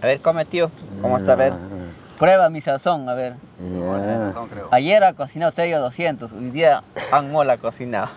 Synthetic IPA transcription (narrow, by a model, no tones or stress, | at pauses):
aβeɾkomet̪jokomoast̪aβeɾ | pɾeβamisasoŋaβeɾ | ajeɾakosinat̪ɾejoðosjent̪osojd̪iaaŋmolakosina